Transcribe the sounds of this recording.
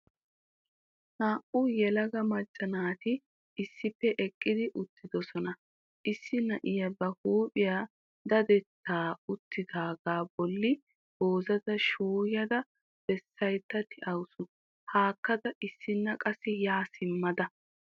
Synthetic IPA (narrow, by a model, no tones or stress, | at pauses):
naːʔʊjɛlɐɡɐmɐt͡ʃʼːɐnaːt̪ɪ | ɪsːɪpːɛʔɛkʼːɪd̪ɪʔʊt̪ːɪd̪ɔsɔnɐ | ʔɪsːɪnɐʔɪjɐbɐhuːpʼɪja | d̪ɐd̪ɛt̪ʰːaːʊt̪ːɪd̪aːɡaːbɔlːɪ | b̥oːzɐd̪ɐʃuːjɐd̪ɐ | b̥ɛsːɐjt̪ːɐt̪ɪʔɐwsʊ | haːkːɐd̪ɐʔɪsːɪnːɐkʼɐsːɛjaːsɪmːɐd̪ɐ